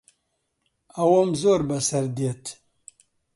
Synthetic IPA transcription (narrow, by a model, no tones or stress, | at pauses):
ɐwomzoːɾbɐsɐɾd̪et̪